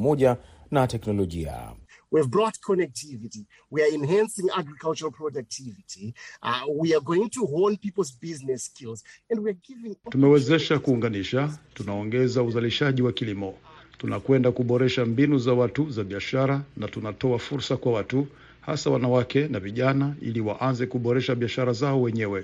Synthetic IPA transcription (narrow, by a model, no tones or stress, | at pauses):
mɔʄa | natɛknɔlɔʄḭa̰ | wivbɹɔtkʰɔnɛk̚tʰiviti | wiaĩnɦæ̃nsɪ̃ŋaɡɹikalˠt͡ʃəɾəlˠpʰɹɔdak̚tʰivitʰi | wiaɡoɪ̃ŋtuɦonpipl̩ˠzbiznɛskilˠzɛ̃ndwiaɡivɪ̃ŋtumɛwɛzɛʃakuːŋɡaniʃatunaɔŋɡɛzauzaliʃaʄiwakilimɔtunakwɛndakuɓɔɾɛʃambinuzawatuzaɓiaʃaɾanatunatɔafuɾsakwawatu | ha̰sawanawakɛnaviʄanaḭliwaʔanzɛkuɓɔɾɛʃaɓiaʃaɾazaɔwɛɲɛwɛ